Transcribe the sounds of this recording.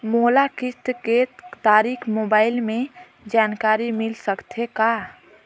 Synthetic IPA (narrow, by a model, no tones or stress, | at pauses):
moːlakɪt̪ket̪aːɾikʰmoːbaːɪlmẽ | d͡ʒaːnkaːɾimɪlsəkt̪ʰeka